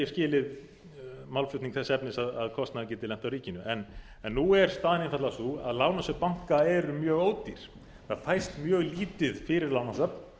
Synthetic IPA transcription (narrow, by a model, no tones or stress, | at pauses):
ɛscɪːlɪð | mawlflʏt̪niŋkθɛsːɛpnɪsaðaðkʰɔst̪naðɪc̬ɛːt̪ɪlɛm̥t̪awɾiːcɪnʏʔɛn | ɛnːuɛɾ̥st̪aːðɪnɪnfaɾt̪lasua̰ðlaːwnasœpaŋ̥kaɛɾʏmjœːɣoːwt̪iɾ̥ | θaðfajst̪mjœːɣliːt̪ɪðfɪɾɪɾlawnasœpn